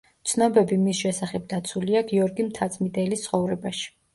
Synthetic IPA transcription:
t̪sʰnɔbɛbimisʃɛsaχɛb̚d̪at̪sʰuliaɡiɔɾɡimt̪ʰat̪sʼmid̪ɛlist̪sχɔvɾɛbaʃi̥

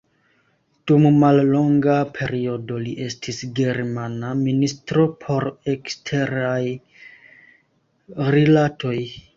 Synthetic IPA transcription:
d̥ummallo̞ŋɡapʰe̞ɾio̞do̞liʔe̞stʰisɡe̞ɾmanaministɾo̞pʰo̞ɾe̞kstʰe̞ɾaj | ɾilatʰo̞j

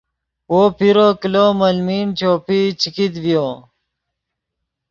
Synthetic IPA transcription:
woːpʰiɾokiloːməlmiːnt͡ɕoːpit͡ɕʰikid̪vjoː

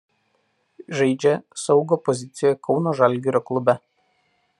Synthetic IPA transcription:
ʒɐɪd͡ʒʲɛsɒʊɡoːpɔzʲɪt̪sʲɪjɛkʰɒʊnoːʒɐlʲˑɡʲɪɾʲoklˠʊbʲɛ

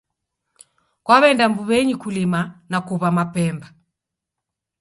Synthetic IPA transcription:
kwaβɛndambuβɛɲikulimanakuβamapɛmba

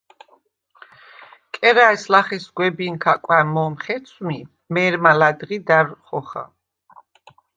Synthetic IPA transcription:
kʼɛɾaɛslaχɛsɡwɛbinkʰakʼwanmɔmχɛt̪sʰmi | mɛɾmalad̪ʁid̪aɾχɔχa̰

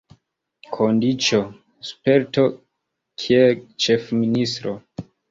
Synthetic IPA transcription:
kʰondit͡ʃo | spe̞ɾto̞ | kʰielt͡ʃe̞fministɾo

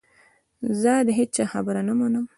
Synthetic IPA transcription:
zəd̪əɦet͡ʃɑxabəɾanamanəm

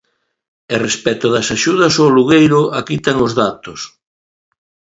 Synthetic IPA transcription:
erespɛt̪ʊðɐsaʃuð̞ɐsoluɣejɾʊʔakit̪aŋozðat̪os

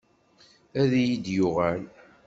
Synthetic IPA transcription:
æðijid̪jʊʁæl

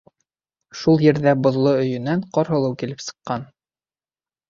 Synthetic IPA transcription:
ʃulˠjɘ̆ɾðæbŏðlˠoɵ̆jɵ̆næɴqɑɾɦŏlˠɤwkilɘpsɤ̥̆qːɑn

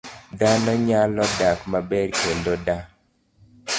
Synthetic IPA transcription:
d̪anɔɲalɔdakmabɛɾkendoda

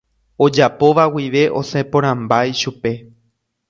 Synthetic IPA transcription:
o̞d͡ʒapo̞ʋawiʋe̞ʔo̞sẽpõɾ̃ãmbajʃupe̞

